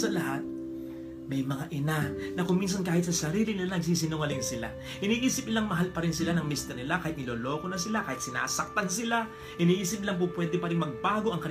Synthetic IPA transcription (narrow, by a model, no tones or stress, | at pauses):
sɐlɐhat̪̚ | mɐjmɐŋaʔɪnanɐkʊmins̬ɐnkaːhɪt̪sɐsɐɾiːlɪnɪlanɐɡ̚s̬iːs̬ɪnoŋɐlɪnsɪla̰ | hɪniːʔiːsɪp̚ɪlaŋmɐɦalpɐɾɪnsɪlanɐŋmist̪ɐnɪlakaːhɪt̪̚nɪloːlo̞ːkonɐs̬ɪlakaːhɪt̪sɪna̰ːsɐk̚t̪ans̬ɪla | hɪniːʔiːsɪp̚ɪlaŋp̬ʊŋpwɛd̪ɪŋpɐɾɪŋmɐɡ̚baːɡo̞ʔɐŋkɐn